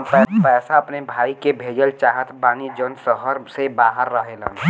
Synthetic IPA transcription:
pɛpɛːsaəpnebʱaːikebʱeːd͡ʒəlt͡ʃaːɦət̪baːnid͡ʒənsəɦəɾsebaːɦəɾːəɦelə̰n

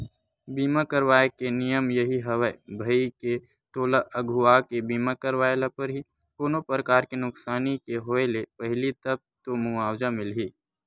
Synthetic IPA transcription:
biːmakəɾwaːekenijəmjɐɦiɦɐʋəebʱəike | t̪oːlaʔəɡʱʊaːkebiːmakəɾʋaːelapəɾɦi | koːnopɾəkaːɾkenʊksaːnikeɦoːelepəɦɪlit̪ɐb̚t̪omʊaːwd͡ʒamɪlɦiː

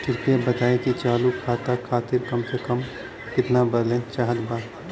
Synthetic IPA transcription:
tʰɪɾpebət̪aːekit͡ʃaːlukʰaːt̪akʰaːt̪ɪɾkɐmsekəm | kɪt̪nabəɾlẽt͡ʃaːɦət̪baː

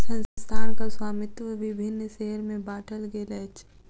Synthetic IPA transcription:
sɐ̃nsst̪ʰaːɾkaswaːmɪt̪ʋəʋibʱɪnːʃeɦɾmẽbaːʈʰəlɡeːlɐːt͡ʃʰ

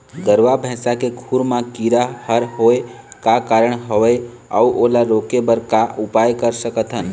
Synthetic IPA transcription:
d̪əɾʋabʱɛ̃ːsakekʰuɾmãkiɾahəɾɦoekakaɾəɳɦəʋe | a̰uʔolaɾokebəɾkaʔupajkəɾsəkət̪ʰɦən

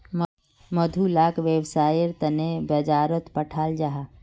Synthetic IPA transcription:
məd̪ʱulaːkʋewsaːjəɾt̪ənebəd͡ʒaːɾət̪pəʈʰaːld͡ʒaɦa

